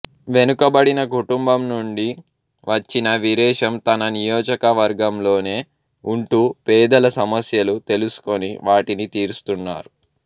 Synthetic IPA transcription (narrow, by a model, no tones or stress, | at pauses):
ʋenukɐbɐɽinɐkuʈumbɐmnuɳɖi | ʋɐt͡ʃːinɐʋiɾɛːʂɐmt̪ɐnɐnijɔːd͡ʒɐkɐʋɐɾɡɐmlo̞ːne̞ː | uɳʈuːpɛːd̪ɐlɐsɐmɐsjɐlut̪e̞lusu̥ko̞niʋaːʈinit̪iːɾust̪unːa̰ːɾu